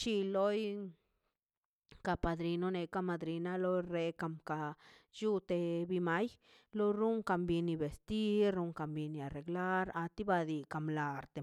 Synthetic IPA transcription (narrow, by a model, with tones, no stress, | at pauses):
t͡ʃi˧lo˦j | ka˧pa˨d̪ɾi˧no˦ne˧ka˧ma˧d̪ɾi˧na˦lo˦jɾe˧ka˧˨mka˨ju˦t̪e˧bi˧ma˦j | lo˦ɾu˦ŋka˧mbi˧ni˧be˨st̪i˦ɾɾu˧ŋka˧mbi˧ni˧˨a˨ɾe˨ɡla˦ɾa˧t̪i˦ba˧d̪i˧ka˧mla˨ɾt̪e˨